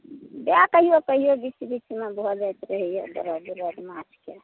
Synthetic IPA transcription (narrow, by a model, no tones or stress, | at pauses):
bakəɦijokəɦijobisbit͡ʃmebɔd͡ʒajt̪ɾəɦijobə̰ɾɔb̪uɾəd̪mat͡ʃʰke